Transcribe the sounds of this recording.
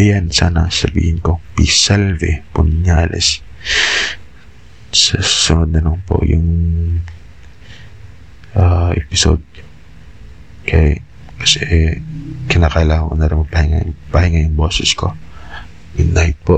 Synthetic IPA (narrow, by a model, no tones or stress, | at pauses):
jansaːnɐsɐbḭːhɪnkopisalvɛpʊnɲalɛ̰s | sɐsʊnod̪̚nɐnoŋpo̰ʔjʊŋ | ʔaʔɛ̰pɪso̰d̪̚ | kʰɐʔɛ | kɐ̥sɛʔ | kɪnakaːlakonaɾɪmɐpɐhɪŋa̰jpɐhɪŋajʊŋboːsɛsko̞ | ɪnajt̪̚poʔ